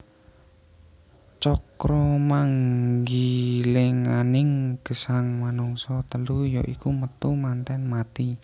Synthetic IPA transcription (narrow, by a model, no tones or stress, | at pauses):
t͡ʃɔkɾɔmaŋɡilɪŋanɪŋɡ̥ə̤saŋmanuŋsɔt̪əlujɔ̰ʔikumət̪umant̪ɛnmat̪i